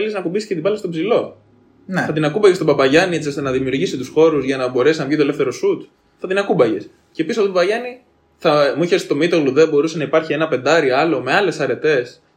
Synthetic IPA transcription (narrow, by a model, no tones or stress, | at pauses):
eliznɐkubiscet̪ibɐlest̪o̞pzilo̞ | nθɐt̪inɐkubɐʝest̪obɐpɐʝɐnie̞t͡siost̪enɐðimiuɾʝisit̪usxo̞ɾuzʝɐnɐbo̞ɾe̞siznɐvʝit̪olefθe̞ɾo̞sut̪ | θɐt̪inɐkubɐʝes | ce̞pisoɐft̪ot̪oɐʝɐni | θɐmuiçest̪o̞mit̪o̞ɣluðebo̞ɾusenɐipɐɾçie̞nɐpe̞nd̪ɐɾiɐlo̞me̞ɐle̞sɐɾe̞t̪e̞s